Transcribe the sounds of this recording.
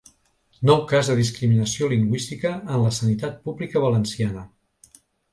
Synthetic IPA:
nɔwkazðəðiskɾiminəsioliŋɡwist̪ikəːnləsənit̪at̪̚puβlikəβələnsianə

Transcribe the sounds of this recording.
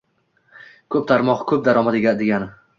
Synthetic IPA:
kʰɵp̚t̪ʰaɾmɒqkʰɵp̚d̪aɾɒmad̪eɡʲad̪eɡʲanɪ

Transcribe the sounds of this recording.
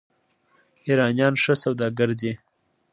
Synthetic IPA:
iɾɑnjɑːnʂəsawd̪ɑɡəɾd̪e

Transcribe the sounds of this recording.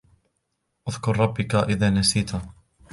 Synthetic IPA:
ʔaðkʊɾˤɾˤɑbːɪkaʔɪðaːnasiːt̪a

